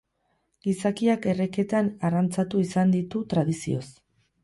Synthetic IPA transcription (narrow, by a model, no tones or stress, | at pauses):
ɡisakiake̞re̞ke̞t̪anarant͡sat̪uisand̪it̪ut̪ɾað̞isio̞s